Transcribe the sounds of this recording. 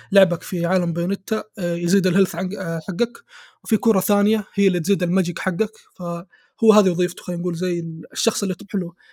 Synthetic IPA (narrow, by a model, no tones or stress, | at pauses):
lʊʕbakfiʕaːlambeːnɪt̪ːajziːd̪ɪlhɪlθʕaħaɡːakwfikuːɾˤɑθaːnɪjahɪjːalːit̪ziːd̪ɪlmad͡ʒɪkħaɡːak | fa | hʊwːhaːðijwðˤiːft̪u̥xajːnɡuːlzajːɪʃːɑxsˤɪlːit̪ɪbħɪlu